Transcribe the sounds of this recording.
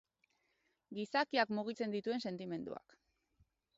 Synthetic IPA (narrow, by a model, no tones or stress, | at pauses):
ɡisakiakmuɣ̞it͡se̞nd̪it̪ue̞nse̞nt̪ime̞nd̪ṵa̰k